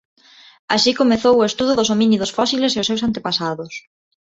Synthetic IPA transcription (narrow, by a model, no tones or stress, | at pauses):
a̰ʃikomeθowʊest̪uðʊðʊsominiðosfɔsileseʊsewsant̪epasaðʊs